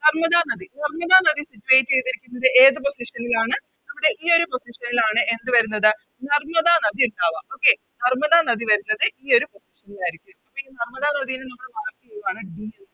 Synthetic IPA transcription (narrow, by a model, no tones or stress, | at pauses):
nɐrmɐðaːnɐðinɐrmɐðaːnɐðisitːuʋejtːɨt͡ɕe̞jt̪ːiɾikʲːunːɐðɨʔeːðɨpo̞siʂɐnilaːɳɨ | nɐmːuɽe̞ʔiːo̞ɾupo̞siʂɐnilaːɳɨʔe̞nd̪ɨʋɐɾunːɐðɨ | nɐrmɐðanɐðiuɳɖaːʋɐʔo̞ːkːe | nɐrmɐðanɐðiʋɐɾunːɐðɨʔiːo̞ɾupo̞siʂɐnilaːjiɾikʲːumɐpːoiːnɐrmɐðaːnɐðijinɨnɐmːuɽeʋaːk̪ːiʋaːɳɨɖiːɐnː